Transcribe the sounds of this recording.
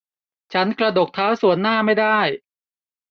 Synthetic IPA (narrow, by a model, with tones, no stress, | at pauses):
t͡ɕʰa˦˥nkɾa˧do˨˩k̚t̪ʰaː˦˥wsu˨˩˦ənːaː˥˩ma˥˩jdaː˥˩j